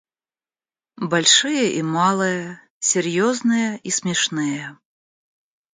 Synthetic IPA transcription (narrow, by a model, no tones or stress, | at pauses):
balʲʂɨjɐʔimalˠɨjɐ | sʲɛrjɔznɨjɛisʲmʲɛʂnɨjɐ